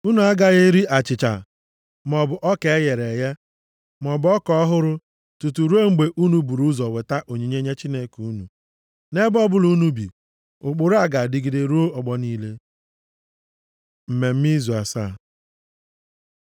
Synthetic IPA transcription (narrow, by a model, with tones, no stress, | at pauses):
u˦nu˨a˦ɡa˦ɣe˦ɾi˦ʔa˨t͡ʃɪ˨t͡ʃa̰˨ | mɔ˨bʊ˨ʔɔ˦ke˨˦je˨ɾe˨je˦ | m˨ɔ˨bʊ˦ɔ˦kɔ˦ɦʊ˦ɾʊ˦ | tu˨tu˨ɾu˦e˦ŋ͡m̩˦ɡ͡be˨ʔu˦nu˨˦bu˨ɾu˦zɔ˨we˨ta˦ʔo˨ɲi˨ɲe˦ɲe˦t͡ʃi˦ne˦ku˨˦nṵ˨ | ne˦bɔ˦bʊ˦lu˨˦nu˦bḭ˨ | ʊ˨k͡pʊ˨ɾʊ˦a˨ɡa˨dɪ˨ɡi˨de˨ɾu˦o˦ɔ˨ɡ͡bɔ˦niː˦le˦ | m̩˨me˨m̩˦mi˦zu˨a˨sa˦˨